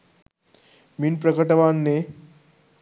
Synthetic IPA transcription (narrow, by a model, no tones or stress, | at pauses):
minpɾəkəʈəʋanːe